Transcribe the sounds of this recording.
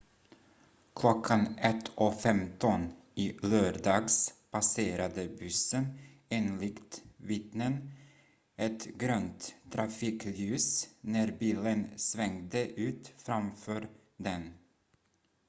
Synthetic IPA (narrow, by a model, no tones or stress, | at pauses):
kʰlɔkʰːanɛt̪ʰːʔɔfɛmt̪ɔn | ɪløːɾɖɑːɡspʰaseːɾad̪əbɵsːən | eːnlɪkt̪vɪt̪nən | ʔɛt̪ɡɾøːnt̪ʰːɾafiːklʉ̟ːsnæɾbiːlənsvɛŋd̪əʔʉ̟ːt̪fɾamfœːɾ | d̪ɛn